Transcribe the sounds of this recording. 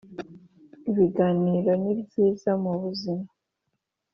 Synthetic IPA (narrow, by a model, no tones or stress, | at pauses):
βiɡaniːɾoniβziːzamuβuzima